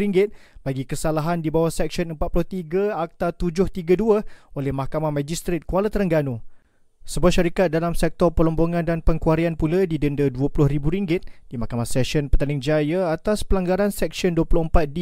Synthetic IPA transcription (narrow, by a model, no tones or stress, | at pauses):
ɾiŋɡɪt̪̚baɡikəsalaɦandibawahsɛk̚ʃɔnəmpat̪̚pulʊht̪iɡəak̚t̪at̪ud͡ʒʊht̪iɡəduəolɛhmahkamamad͡ʒist̪ɾet̪̚kualət̪əɾəŋɡano | səbuahʃaɾikat̪̚dalamsɛk̚t̪ɔrpəlɔmboŋãndanpəŋkuaɾianpulədidəndəduəpulʊhribuɾiŋɡɪt̪̚d̥imahkamahsɛʃɔnpərt̪anɪŋd͡ʒajaat̪aspəlaŋɡaɾansɛk̚ʃɔnduəpulʊhəmpat̪̚di